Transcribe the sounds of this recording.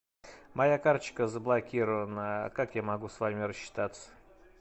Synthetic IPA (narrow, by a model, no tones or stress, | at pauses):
mɐjakart͡ɕkəzəblˠɐkʲiɾəvənəkakjamɐɡusvamʲɪɾəɕːɪ̥t̪at̪sə̥